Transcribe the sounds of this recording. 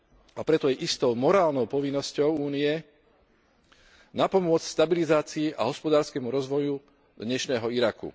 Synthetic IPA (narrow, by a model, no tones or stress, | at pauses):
apɾɛt̪ɔjɛʔist̪ɔʊmɔɾaːlnɔʊpɔʋinːɔscɔʊuːniɛ | napɔmʊɔt͡scst̪abilizaːt͡siiʔaɦɔspɔd̪aːɾskɛmuɾɔzʋɔju | d̪ɲɛʃnɛːɦɔiɾakṵ